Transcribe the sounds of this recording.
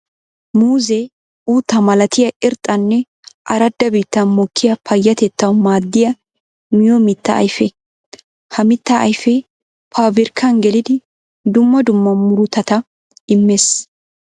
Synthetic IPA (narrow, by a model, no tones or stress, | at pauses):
muːzɛ | uːt̪ːɐmɐlɐt̪ɪjɐʔɪɾt̪ʼːɐnːɛ | ʔɐɾɐd̪ːɐbiːt̪ːɐnmɔkʰːɪjɐpʰɐjːɐt̪ɛt̪ːɐwmaːd̪ːɪjɐ | mɪjɔmɪt̪ːɐ̰ːjfɛ | hɐmɪt̪ːɐʔɐ̰jfɛ | pʰaːbɪɾkʰːɐnɡɛlɪd̪ɪ | d̪ʊmːɐd̪ʊmːɐmʊɾʊt̪ɐt̪ɐ | ɪmːes